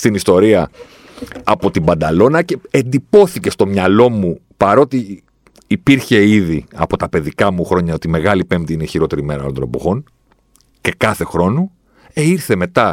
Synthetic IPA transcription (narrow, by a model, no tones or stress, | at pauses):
st̪inist̪o̞ɾiɐ | ɐpo̞t̪imbɐnd̪ɐlo̞nɐce̞end̪ipo̞θice̞st̪omɲɐlo̞mu | pɐɾo̞t̪iː | piɾçe̞iðiɐpo̞t̪ɐpe̞ðikɐmuxɾo̞ɲɐo̞t̪ime̞ɣɐlipe̞mpt̪iineçiɾo̞t̪e̞ɾime̞ɾɐ̰lond̪onepo̞̰ɣo̞n | ce̞kɐθe̞xɾo̞nu | eiɾθe̞me̞t̪ɐ